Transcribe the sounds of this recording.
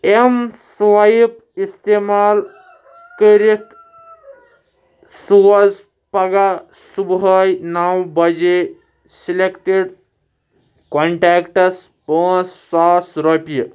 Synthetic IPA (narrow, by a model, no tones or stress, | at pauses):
emsʋap | ist̪emaːl | kəɾit̪ | suwɐz | pɐɡa | subɦəjnawbɐd͡ʒe | silekʈeɖ | koɳʈakʈɐs | pəːsːaːsɾɔpijə